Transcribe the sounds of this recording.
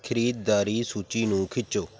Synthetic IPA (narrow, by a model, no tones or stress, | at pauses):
kʰəɾiːt̪̚d̪aːɾiːsuːt͡ʃiːnũːkʰɪt͡ʃːoː